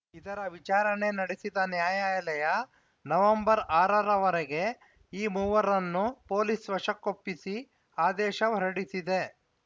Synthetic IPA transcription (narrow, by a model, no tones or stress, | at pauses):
id̪ɐɾɐʋit͡ʃaːɾɐne̞nɐɽesid̪ɐnjaːjaːjlɐjɐ | nɐʋɐmbɐɾaːɾɐɾɐʋɐɾɛɡe̞ | iːmuːʋɐɾɐnːupo̞ːlisʋɐʂɐkːopːisi | aːd̪ɛːʃɐʋɐɾɐɽisid̪e̞